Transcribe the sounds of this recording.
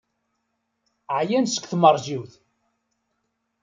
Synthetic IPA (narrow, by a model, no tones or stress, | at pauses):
ʕjænsə̥kʷθmərˤʒiwθ